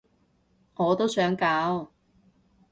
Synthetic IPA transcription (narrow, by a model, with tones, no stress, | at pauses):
ŋɔː˨˧t̪o˥wsœː˨˥ŋkaː˨˥w